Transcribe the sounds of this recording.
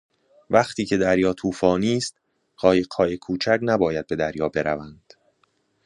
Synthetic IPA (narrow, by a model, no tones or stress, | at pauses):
væχt̪ʰiːcʰe̞d̪æɾjɒːt̪ʰuːfɒːniːst̪̚ | ɢɒːjeɢhɒːjekʰuːt͡ʃʰæcnæbɒːjæd̪̚be̞d̪æɾjɒːbe̞ɾævænd̪̥